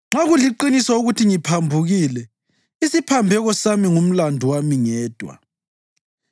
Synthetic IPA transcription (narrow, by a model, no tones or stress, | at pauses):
ŋ͡ǁaɣuliǃinisɔuɣutʰiŋipʰambʱuɣiːlɛ | isipʰambʱɛɣɔsamiŋum̩landʱuwamiŋɛːd̥ʱwa̰